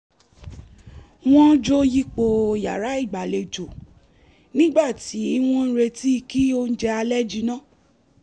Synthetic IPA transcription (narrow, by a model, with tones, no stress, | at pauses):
w̃ɔ̃˦d͡ʒo˦ji˦k͡po˧ja˨ɾa˨˦i˦˨ɡ͡ba˨le˨d͡ʒo˨ | nĩ˦ɡ͡ba˦˨ti˨˦i˦w̃ũ˦n̩˦ɾe˧ti˦i˧ki˦o˦n̩˦d͡ʒɛ˧a˧lɛ˦d͡ʒi˧nãː˦˨